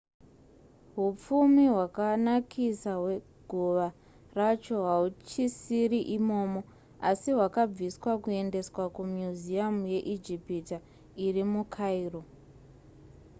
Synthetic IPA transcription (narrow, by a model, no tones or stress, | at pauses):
ɦup͡fumiɦwakanakʰisaɦwe | ɡʱuʋa | rat͡ʃo̞ɦaut͡ʃisiriʔimo̞ːmo̞ | asiɦwakab͡viswakue̞nde̞swakumjuziamuje̞ʔid͡ʒipita | irimukʰairo